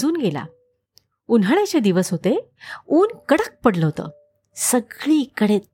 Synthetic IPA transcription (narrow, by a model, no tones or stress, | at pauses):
d͡zuːnɡela̰ | unaɳjat͡ɕed̪iʋəsɦot̪e | uːnkəɽək̚pəɽləɦot̪ə̰ | səɡɭiːkəɽe